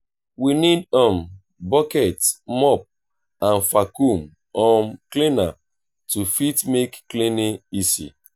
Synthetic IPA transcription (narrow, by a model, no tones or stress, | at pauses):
winidɔ̃m | bɔkɛtmɔp̚ | ãnfakum | ɔ̃mklina | tufitmekːlineisḭ